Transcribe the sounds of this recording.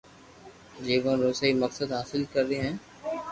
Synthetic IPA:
d͡ʒeːʋə̃ɾoːsaːiməksəd̪ɦaːsɪlkəɾːeɦɛ̃ː

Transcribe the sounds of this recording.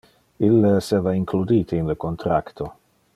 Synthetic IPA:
ilːeeseːvaiŋklud̪iːt̪ʰeinləkont̪ɾakt̪ʰo

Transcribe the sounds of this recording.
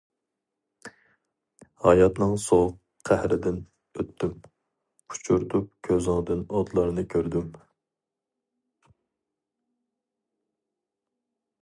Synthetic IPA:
hɑjɑt̪nɨŋsoq | qʰæhɾɪd̪ɪn | øt̪ʰːym | qʰu̥t͡ʃʰuɾt̪ʰup̚kʲʰøzɨŋd̪ɨnod̪lˠɑɾnɨkʲʰøɾd̪ym

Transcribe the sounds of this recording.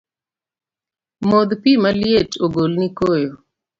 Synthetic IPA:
mod̪pimaljetoɡolnikojo

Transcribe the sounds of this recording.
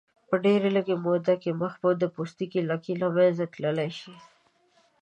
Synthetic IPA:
pəɖeɾeləɡemod̪akeməxbod̪əpost̪ikilakilɑmanzat̪ləlajʃi

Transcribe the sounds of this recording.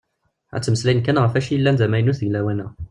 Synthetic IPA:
ʕæ̰t͡s̪ːməslæjənkænʁæfæʃiəlːænd̪æmæjnusðilæwænæ

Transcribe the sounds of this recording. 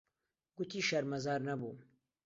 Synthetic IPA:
ɡ̥ut̪ʰiːʃɐɾmɐzɑːɾnɐbṵː

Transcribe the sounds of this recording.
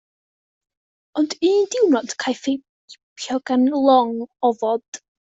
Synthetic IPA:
ɔndidɪwnɔd̥kʰajfejp | pʰjɔɡanlˠɔŋɔvɔd̥

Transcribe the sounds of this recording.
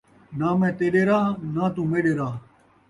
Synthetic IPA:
naːmɛ̃ːt̪eːɗeːɾaːnãːt̪ũːmeːɗeːɾaː

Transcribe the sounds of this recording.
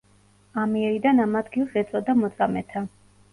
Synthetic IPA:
amiɛɾid̪anamad̪ɡilˠsɛt̪sʼɔd̪amɔt̪sʼamɛt̪ʰa

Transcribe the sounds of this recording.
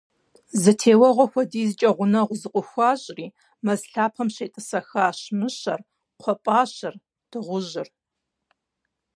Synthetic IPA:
zɨtʰeːwɐʁʷɔxʷɔdiːzɨt͡ʃʼɐʁʷʊnɐʁʷʊzɨqʷʼʊxʷɑːɕʼriː | mɐzɬaːpʰɐmɕeːtʼɨsɐxaːɕmɨɕɐr | qʷʰɔpʼaːɕɐr | d̥ɨʁʷʊʒɪr

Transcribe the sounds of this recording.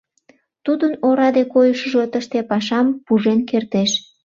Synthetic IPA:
t̪ud̪ənoɾɑd̪ekojəʃəʒot̪əʃt̪epɑʃɑmpuʒenkert̪eʃ

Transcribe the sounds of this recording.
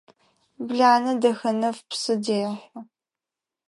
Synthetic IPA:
bɮaːnɐdɐxɐnɐfpsɨdeːɐħɐ

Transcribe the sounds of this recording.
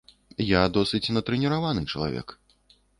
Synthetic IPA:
jad̪ɔsɨt͡sʲnɐt̪ɾɛnʲɛɾavanɨt͡ʂɐlˠa̰vʲɛ̰k

